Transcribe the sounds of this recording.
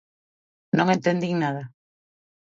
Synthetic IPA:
nõŋẽnt̪end̪iŋnaða

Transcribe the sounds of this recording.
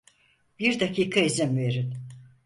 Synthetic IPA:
biɾd̪akʰiːkʰaizɛmveɾin

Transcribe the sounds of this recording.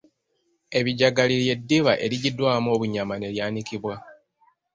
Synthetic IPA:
e̞βiɟaɡalilje̞dːiβaʔe̞ɾiɟidwaːmo̞ːβuɲamane̞ljaːnikiβwa

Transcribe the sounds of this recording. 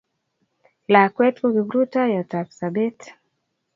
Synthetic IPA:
lakwɛtkuɡibɾutajatapsabɛt

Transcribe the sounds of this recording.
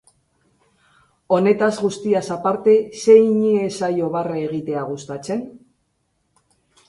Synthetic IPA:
o̞ne̞t̪azɣust̪iasapaɾt̪e̞se̞jɲiesajo̞βaraeɣ̞it̪e̞aɣ̞ust̪at͡se̞n

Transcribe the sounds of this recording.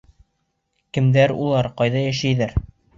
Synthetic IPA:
kɘ̆md̪æɾṵlˠɑɾqɑjðɑjæʃæjðæɾ

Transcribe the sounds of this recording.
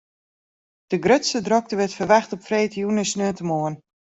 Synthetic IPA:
d̥əɡrøtstədrɔk̚təʋɪtfərʋɛxtɔpfreːtəjunəsnøətəmoən

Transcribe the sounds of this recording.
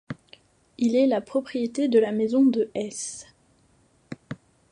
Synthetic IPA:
ilɛlapχɔpχijet̪ed̪əlamezɔ̃d̪əʔɛs

